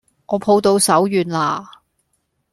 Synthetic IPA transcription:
ŋʔɔː˨˧pʰo˧wt̪o˧wsɐ˨˥wjyː˨˧nlaː˧˩

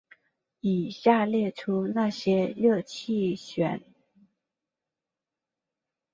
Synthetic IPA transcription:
i˨˩ɕja˥˧ljɛ˥˩ʈ͡ʂʰu˥na˥˩ɕjɛ˥lɤ˥˧t͡ɕʰi˥˩ɕɥɛ˨˧˩n

